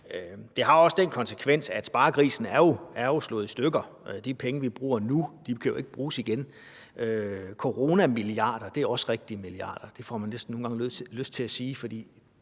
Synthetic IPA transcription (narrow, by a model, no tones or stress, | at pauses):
d̥e̝ɦɑ̈ɒ̽səd̥enkʰɒ̽nsekʰʋen̰sæd̥sb̥ɑ̈ːkʰʁḭːsn̩æɐjo̝æɐjoslɔ̰̽ːð̩ˠisd̥øɡ̥ɐd̥ipʰeŋəʋib̥ʁṵːɐnud̥ikʰæjo̝e̝ɡ̥əb̥ʁuːsiɡ̥en | økʰo̝ʁo̝ːnæmiliɑ̈ːd̥ɐd̥e̝æɐɒ̽sʁeɡ̥̚d̥iəmiliɑ̰̈ːd̥ɐd̥e̝fɒ̰mænːesd̥n̩o̝ːnɡ̥ɑ̈ŋløsd̥t͡sʰe̝æsiːfɒ̽d̥ḭː